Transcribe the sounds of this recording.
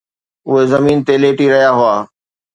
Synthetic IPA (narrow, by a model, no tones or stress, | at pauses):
ʊɦezɐmiːnt̪eleːʈiɾɐɦijaɦʊaː